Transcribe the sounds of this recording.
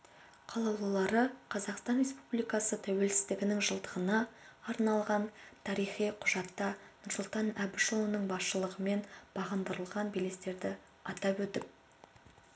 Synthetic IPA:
qʰɑlˠɑlˠɑlˠɑɾəqʰɑzɑqst̪ɑnɾʲe̞spublijkɑsət̪ʰæwe̞lsɪzd̪ɪɡʲɪnɪŋʒəlˠd̪əʁənɑːɾnɑlˠʁɑnt̪ʰɑɾijχijqʰʊʒɑt̪ːɑnʊɾsʊlˠt̪ɑnæbɪʃlonəɴbɑsʃəlˠəʁəme̞nb̥ɑʁənd̪əɾəlˠʁɑnbele̞st̪e̞ɾd̪ɪ | ɑt̪ɑpwɵt̪ɪp̚

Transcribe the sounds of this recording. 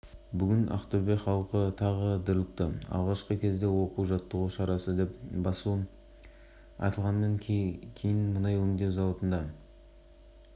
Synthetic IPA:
bʏɡʲɪnʔɑ̰χt̪uɾbeχɑlˠqət̪ʰɑʁəd̪əɾlˠəq̚t̪əɑ̰lˠʁɑʃqəkʲʰe̞zd̪e̞wo̞quwʒɑt̪ːəʁuʃɑɾɑsəd̪e̞p̚bɑsu | ɑ̰t̪əlˠʁɑnːɑŋkʲʰe̞jɪnmənɑjwɵŋd̪e̞wzɑwɑt̪ənd̪ɑ

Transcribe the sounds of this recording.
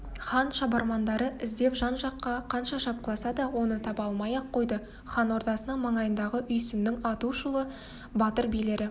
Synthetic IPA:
χɑnʃɑbɑɾmɑnd̪ɑɾəɪzd̪e̞pʒɑnʒɑqːɑqʰɑnʃɑʃɑp̚qəlˠɑsɑd̪ɑwo̞nət̪ʰɑpɑlˠmɑjɑqʰːo̞jd̪ə | χɑnwo̞ɾd̪ɑsənəɴmɑɴɑjənd̪ɑʁəʔʏjsɪnd̪ɪŋɑt̪uʃəlˠə | bɑt̪əɾbijle̞ɾɪ

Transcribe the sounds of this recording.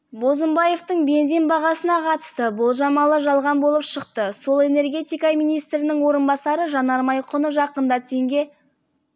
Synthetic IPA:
bo̞zəmbɑje̞ft̪əɴbe̞nze̞nbɑʁɑsənɑqʰɑt̪ə̥st̪əbʊlˠʒɑmɑlˠəʒɑlˠʁɑnbo̞lˠəpʃəq̚t̪əso̞lˠe̞ne̞rɡʲe̞t̪ijkɑmijnijst̪ɾɪnɪŋwo̞ɾənbɑsɑɾəʒɑnɑɾmɑjqʰʊnəʒɑqənd̪ɑt̪ʰe̞ŋɡʲe̞

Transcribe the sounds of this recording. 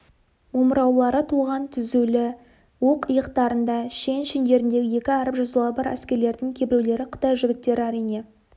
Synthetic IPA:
oməɾɑwlˠɑɾət̪ʰuʁɑnt̪ʰʏzulɪ | woqəjəqt̪ɑɾənd̪ɑʃe̞nʃend̪e̞ɾɪnd̪e̞ɡʲɪje̞kʲɪɑɾəpʒɑzəlˠɑbɑɾæ̰skʲe̞ɾle̞ɾd̪ɪŋkʲʰe̞bɪɾewle̞ɾɪqʰə̥t̪ɑjʒɪɡʲɪt̪ːe̞ɾɪɑɾijne̞

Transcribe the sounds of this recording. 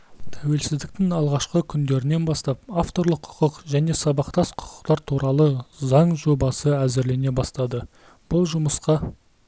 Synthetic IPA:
t̪ʰæwe̞lsɪzd̪ɪk̚t̪ɪŋɑlˠʁɑʃqəkʲʰʏnd̪e̞ɾɪne̞nbɑst̪ɑpaft̪o̞ɾlˠəqʰʊ̥qəqʒæne̞sɑbɑqt̪ɑsqʰʊ̥qʰə̥qt̪ɑɾt̪ʰuɾɑlˠəzɑɴʒo̞bɑsəæzɪɾle̞ne̞bɑst̪ɑd̪ə | b̥ʊlˠʒʊməsqɑ

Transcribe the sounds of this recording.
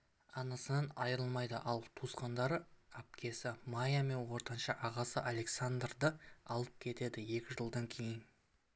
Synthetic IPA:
ɑnɑsənɑnɑjɾəlˠmɑjd̪əʔɑlˠt̪ʰusqɑnd̪ɑɾəap̚kʲʰe̞sɪmajame̞nwo̞ɾt̪ɑnʃɑʔɑʁɑsəʔale̞ksand̪rd̪əɑlˠəp̚kʲʰe̞t̪e̞d̪ɪje̞kʲɪʒəlˠd̪ɑŋkʲʰe̞jɪn

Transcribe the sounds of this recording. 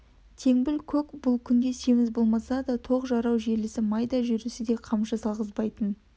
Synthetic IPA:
t̪ʰe̞ŋbɪlkʲʰɵkbʊlˠkʲʰʏnd̪e̞se̞mɪzbo̞lˠmɑsɑd̪ɑt̪ʰo̞qʒɑɾɑwʒe̞lɪsɪmɑjd̪ɑʒʏɾusɪd̪e̞qʰɑmʃɑsɑlˠʁəzbɑjt̪ən

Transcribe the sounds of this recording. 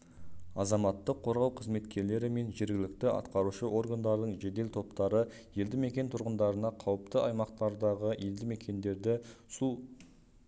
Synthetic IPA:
ɑzɑmɑt̪ːəqʰːo̞ɾʁɑwqʰəzme̞t̪kʲe̞ɾle̞ɾɪme̞nʒe̞ɾɡʲɪlɪk̚t̪ɪʔɑ̰t̪qɑɾuʃəʔo̞ɾɡand̪ɑɾd̪əɴʒe̞d̪e̞lt̪ʰo̞p̚t̪ɑɾə | je̞ld̪ɪme̞kʲe̞nt̪ʰʊɾʁənd̪ɑɾənɑqʰɑwəp̚t̪əʔɑjmɑqt̪ɑɾd̪ɑʁəjʔe̞ld̪ɪme̞kʲʰe̞nd̪e̞ɾd̪ɪsu

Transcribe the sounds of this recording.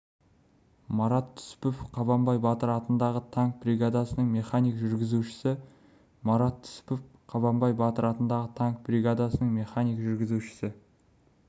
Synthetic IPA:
mɑɾɑt̪ʰːʏ̥spʏfqʰɑβɑmbɑjbɑt̪əɾɑt̪ənd̪ɑʁət̪ʰɑŋk̚briɡad̪asənəɴmʲe̞χanijkʒʏɾɡʲɪzuʃɪ̥sɪ | mɑɾɑt̪ʰːʏ̥spʏfqʰɑβɑmbɑjbɑt̪əɾɑt̪ənd̪ɑʁət̪ʰɑŋk̚bɾʲiɡad̪asənəɴmʲe̞χanijkʒʏɾɡʲɪzuʃɪ̥sɪ

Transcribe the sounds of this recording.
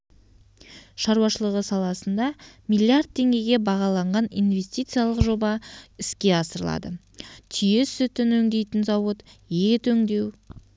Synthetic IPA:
ʃɑɾuwɑʃəlˠəʁəsɑlˠɑsənd̪ɑmijlʲiaɾd̪̚t̪ʰːe̞ŋɡʲe̞jɡʲe̞bɑʁɑlˠɑɴʁɑnijnve̞st̪ijt̪sɨjalˠəqʒo̞bɑɪskʲe̞ɑsəɾəlˠɑ̰d̪ə̰ | t̪ʰije̞sʏt̪ɪnɵŋd̪e̞jt̪ɪnzɑwət̪jet̪ʰɵŋd̪e̞w

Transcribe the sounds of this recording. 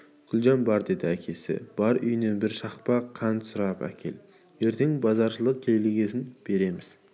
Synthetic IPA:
kʰʊlˠʒɑnbɑɾd̪e̞d̪ɪækʲʰe̞sɪ̰b̥ɑɾʏjne̞nbɪɾʃɑχpɑqʰɑnsʊɾɑpæ̰kʲʰe̞̰l | e̞ɾt̪ʰe̞ŋbɑzɑɾʃəlˠəq̚kʲʰelleɡʲe̞sɪnb̥e̞ɾe̞mɪz̥

